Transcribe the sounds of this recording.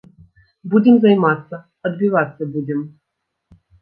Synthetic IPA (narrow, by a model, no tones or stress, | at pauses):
budʲɪmzɐjmat̪sːɐ | ɐd̪̚bʲivat̪sːɐbudʲɪm